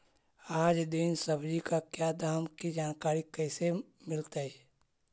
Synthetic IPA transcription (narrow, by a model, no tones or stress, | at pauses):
aːd͡ʒd̪ɪnsɐbd͡ʒikakjaːd̪ʱaːmkid͡ʒaːnkaːɾikɛːse | mɪlt̪aɦɛː